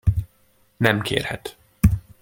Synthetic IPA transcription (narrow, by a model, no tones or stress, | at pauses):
nɛmkʰḛːrhɛt̪